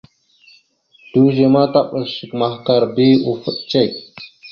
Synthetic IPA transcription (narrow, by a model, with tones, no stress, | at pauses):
d̥u˦ʒe˨ma˦ta˦ɓə˨ʃə˨kma˨hka˨ɾbi˦u˨fə˦ɗt͡ʃe˦˨k